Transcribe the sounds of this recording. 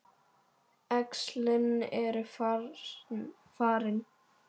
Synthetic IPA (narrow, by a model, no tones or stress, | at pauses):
ɛkslɪnɛɾʏf | faːɾɪn